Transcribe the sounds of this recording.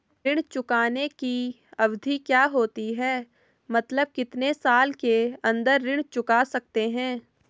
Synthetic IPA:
ɪɽ̃t͡ʃʊkaːneki | ɐʋd̪ʱikjaːɦoːt̪iɦɛː | mɐt̪ləb̚kɪt̪nesaːlkeɐ̃nd̪əɾːɪ̃ɽ̃t͡ʃʊkaːsɐk̚t̪eɦɛ̃ː

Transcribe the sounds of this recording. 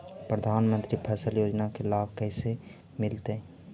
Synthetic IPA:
pɾəd̪ʱaːnmə̃nt̪ɾipʰɛːsəljoːd͡ʒnakɪlaːbkɛːse | mɪlt̪e

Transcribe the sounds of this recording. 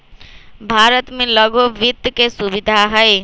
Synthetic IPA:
bʱaɾət̪mẽləɡoʋit̪kesuʋid̪ʱaɦəe

